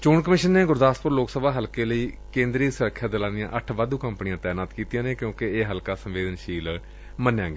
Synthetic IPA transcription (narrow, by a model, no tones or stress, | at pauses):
t͡ʃoːɳkəmɪʃənːeːɡʊɾd̪aːspʊɾloːksəbaːɦəlkeːləiːkẽːnd̪ɾiːsəɾəkʰːjaːd̪əlaːnɪjã̰ːʔəʈʰʋaːd̪uːkəmpnijãːt̪ɛːnaːt̪kiːt̪ijãːneːkjõːkeeːɦəlkaːsəmʋeːd̪ənʃiːl | mənːjãːɡeː